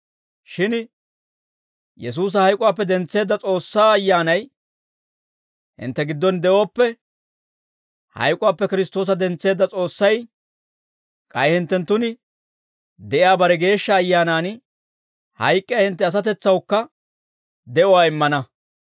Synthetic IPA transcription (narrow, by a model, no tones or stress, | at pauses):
ʃɪn | jɛs̬uːs̬ɐhɐjkʼʊwaːp̬ːɛd̪ɛnt͡sːe̞ːd̪ːɐt͡sʼo̞ːsːaːɐjːaːnɐj | hɪ̰nt̪ːɛɡɪd̪ːɔnd̪ɛʔo̞ːpːɛ | hɐ̰jkʼʊwaːpːɛkɪɾɪst̪o̞ːs̬ɐd̪ɛnt͡sːe̞ːd̪ːɐt͡sʼo̞ːsːɐj | kʼɐjhɪnt̪ːɛnt̪ːʊnɪ | d̪ɛʔɪjaːbɐɾɛɡe̞ːʃːɐːjːaːnaːn | hɐ̰jkʼːɪjahɪnt̪ːɛɐs̬ɐt̪ɛt͡sːɐwkːɐ | d̪ɛʔɔwaːɪmːɐnɐ